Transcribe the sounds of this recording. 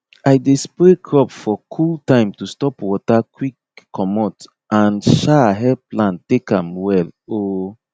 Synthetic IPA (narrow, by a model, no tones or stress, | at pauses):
ajdespɹekʰɹɔpfɔkʰultãɪ̃mtustɔpwɔtakwikː | ɔmɔt | ãnʃaɦɛplãntekãmwɛlo